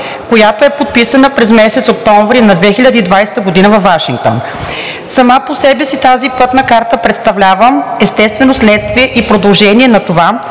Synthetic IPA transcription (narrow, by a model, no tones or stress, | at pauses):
kojat̪oɛpot̪̚pisənəpɾɛzmɛsɛt̪sok̚t̪ɔɱvɾinɐd̪vɛxilʲəd̪əid̪vajst̪əɡod̪inəvɐfaʃiŋɡk̚t̪o̰n | sɐmaposɛbɛsit̪azipɤt̪nəkaɾt̪əpɾɛt̪st̪ɐvlʲavəmɛst̪ɛst̪vɛnoslɛt̪st̪viɛʔipɾod̪ɐlˠʒɛniɛnɐt̪ova